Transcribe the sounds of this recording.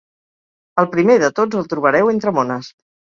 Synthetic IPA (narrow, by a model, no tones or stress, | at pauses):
əlˠpɾimeðət̪od͡zəlˠt̪ɾuβəɾɛwent̪ɾəmonəs